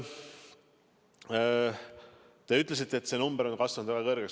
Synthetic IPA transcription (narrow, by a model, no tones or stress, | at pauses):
t̪e̞yt̪ːˑle̞s̬it̪ːˑeet̪ːse̞numbəɾo̞nkɑsvɑnud̪̥væɡ̥ɑkɤɾɡ̥eks